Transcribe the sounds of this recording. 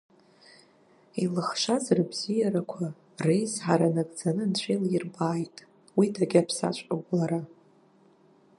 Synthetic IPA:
ilɨχʃazrbzijaɾakʷʰa | rejzħaɾanakʼd͡zanɨnt͡ɕʷʰejljɪrbaːjtʼ | widʰaɡʲapʰsa̰t͡ʃʷʼabʼlaɾa

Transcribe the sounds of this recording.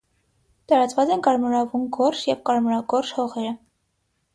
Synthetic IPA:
t̪ɑɾɑt͡svɑt͡sɛnkɑɾmuɾɑvunɡɔrʃjɛvkɑɾmɔɾɑɡɔɾʃhɔʁɛɾə

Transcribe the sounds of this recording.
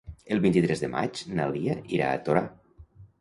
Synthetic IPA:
əlˠβint̪it̪ɾɛzðəma̰d͡ʒnaliəʔiɾa̰ːt̪oɾa

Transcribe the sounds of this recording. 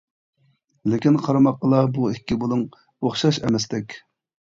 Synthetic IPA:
lɪkʲinqʰɑɾɑmɑqːəlˠɑbuikʲːibulˠuŋ | oχʃɑʃɛmɛst̪ɛkʲ

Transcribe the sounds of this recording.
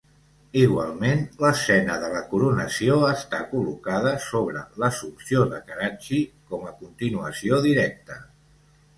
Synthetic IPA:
iɣwalˠmenləsɛnəðələkuɾunəsioəst̪akulukað̞əsoβɾə̰ləsumsioðəkəɾat͡ʃikɔməkunt̪inuəsioðiɾɛk̚t̪ə

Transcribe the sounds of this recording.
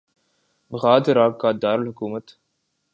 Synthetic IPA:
bɣaːd̪ɾaːɡkːad̪aːɾəlɦʊkuːmət̪

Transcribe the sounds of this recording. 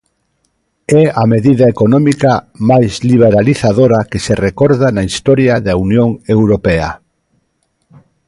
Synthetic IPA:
ɛameðiðaekonɔ̃mikamajzliβ̞eɾaliθaðoɾakeserekɔɾðanaist̪ɔɾjaðaunjõŋewɾopɛa̰

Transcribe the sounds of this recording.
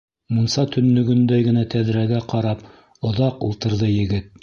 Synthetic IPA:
mŭnsɑt̪ʰɵ̆nːɵ̆ɡɵ̆nd̪æjɡɘ̆næt̪æðɾæɡæqɑɾɑp | ŏðɑqulˠt̪ɤ̆ɾðɤjɘ̆ɡɘt̪̚

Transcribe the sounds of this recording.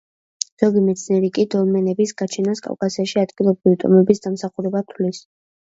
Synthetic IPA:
z̥ɔɡimɛt̪sʰniɛɾikʼid̪ɔlˠmɛnɛbisɡat͡ʃʰɛnaskʼa̰vkʼasiaʃiad̪ɡilˠɔbɾiit̪ʼɔ̰mɛbisd̪amsaχuɾɛbat̪ʰlis

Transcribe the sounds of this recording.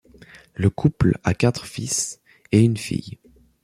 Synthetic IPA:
ləkʰuplakʲat̪χfis | eynfḭj

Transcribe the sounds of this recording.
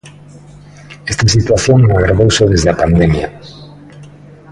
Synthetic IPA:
est̪ɐsit̪waθjõŋnõŋaɣɾaβowseðezðeapand̪emja

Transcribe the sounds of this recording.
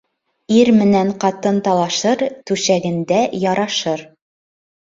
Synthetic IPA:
iɾmɘ̆næɴqɑt̪ɤnt̪ɑlˠɑʃɤɾt̪ʉʃæɡɘ̆nd̪æjɒɾɑʃɤɾ

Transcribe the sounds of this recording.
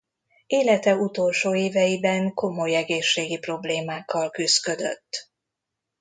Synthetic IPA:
eːlɛt̪ɛut̪o̞lʃoːeːvɛjibɛŋko̞mo̞jɛɡeːʃːeːɡipro̞bleːmaːkːɒlkyskø̞d̪ø̰t̪ː

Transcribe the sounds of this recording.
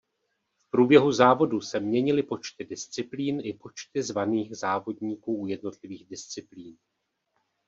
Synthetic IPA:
fpɾuːbjɛɦuzaːvo̞dusɛmɲɛɲɪlɪpo̞t͡ʃt̪ɪdɪst͡sɪpliːnɪpo̞t͡ʃt̪ɪzvaniːɣzaːvo̞dɲiːkuːjɛdno̞t̪lɪviːɣdɪst͡sɪpliːn

